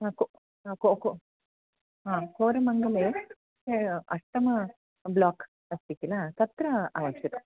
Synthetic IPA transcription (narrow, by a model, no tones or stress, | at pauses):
aːko | koko | ɦaːkoːɾɐmɐŋɡɐleː | ɐʂʈɐmɐ | blaːk | ɐst̪ikilat̪ɐt̪ɾɐaːʋɐkʂɐɾɐ